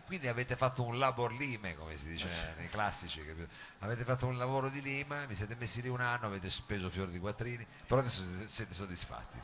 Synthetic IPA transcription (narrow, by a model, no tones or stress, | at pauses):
kwind̪iaveːt̪efat̪ːounlaborliːmekomesid̪iːt͡ʃenejklasːit͡ʃikepːaveːt̪̬efat̪ːounlavoːɾod̪iliːmavisjɛːt̪emesːiliunanːoaveːt̪espeːzofjoːɾd̪ikwat̪ːɾiːni | peɾɔd̪esːosseːt̪esod̪ːisfa̰t̪ʰːḭ